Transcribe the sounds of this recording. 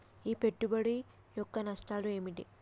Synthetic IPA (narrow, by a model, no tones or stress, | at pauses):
iːpe̞ʈːubɐɽi | jɔkːɐnɐsʈaːlueːmiʈḭ